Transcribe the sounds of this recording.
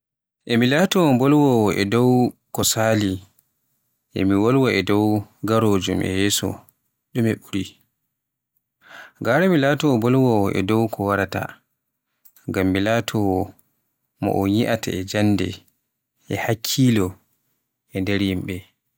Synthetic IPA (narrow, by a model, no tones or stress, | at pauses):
ʔɛmilaːtɔwɔbɔlwɔwɔʔɛdɔwkɔsaːli | ʔɛ̰miwɔlwaʔɛdɔwɡaɾoːd͡ʒumʔɛ̰jɛːsɔ̰ | ɗumɛɓuɾi | ɡaɾɛmilaːtɔbɔlwɔwɔʔɛ̰dɔwkʰɔwaɾata̰ | ŋɡamːilatʰɔwɔ | mɔ̰ʔɔɲiʔata̰ɛd͡ʒanːdɛ̰ | ʔɛhakʰːiːlɔ | ʔɛndɛɾjimɓɛ